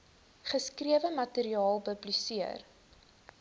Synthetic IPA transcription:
χəskriəvəmɐteɾiɑːlˠbəblysiər

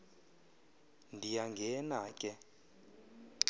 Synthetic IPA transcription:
ndʱijaŋɡʱɛnaːkʼɛ

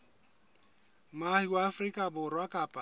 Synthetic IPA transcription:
mahiwaːfrikʼabʊrwakʼaːpʼa

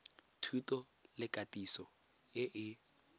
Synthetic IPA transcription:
tʰutʼɔ | lɪkʼatʼisɔ | ɪʔɪ

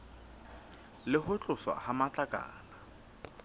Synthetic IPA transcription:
lɪɦʊt͡ɬʼʊswa̰hamat͡ɬʼakʼa̰ːla

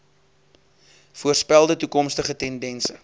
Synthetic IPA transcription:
fuərspælˠdətukɔmstəχətɛndɛnsə

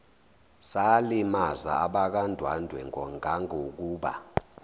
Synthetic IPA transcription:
salimaza̰aɓak̬andʱwandʱwɛŋʱɔŋʱaŋʱok̬uːɓa̰

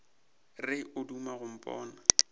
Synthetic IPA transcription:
rɪʔʊdumaɣʊm̩pʼɔ̰ːna

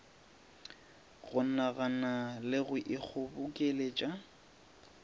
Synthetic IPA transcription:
ɣʊnaɣanalɪɣʊʔɪk͡xʰʊbʊkʼelet͡ʃʼa

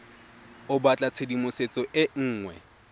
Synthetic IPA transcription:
ʊbat͡ɬʼat͡sʰedimʊset͡sʼɔʔɪŋ̩ːŋwɛ̰

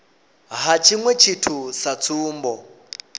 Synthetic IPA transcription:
ɦat͡ʃʰiŋwɛt͡ʃʰitʰusat͡sʰuːmbɔ

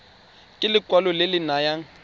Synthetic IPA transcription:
kʼɪlɪkʼwalɔlɪlɪnajaŋ̩

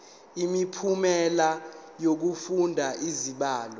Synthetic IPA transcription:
imipʰumɛlajok̬ufundʱaiziɓaːlɔ

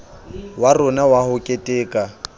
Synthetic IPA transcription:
warʊnawahʊkʼetʼeːkʼa

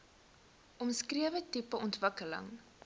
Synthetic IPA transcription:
ʔɔmskriəvətipəɔntvəkələ̰ŋ

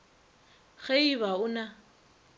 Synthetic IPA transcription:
ɣeiβaʊna

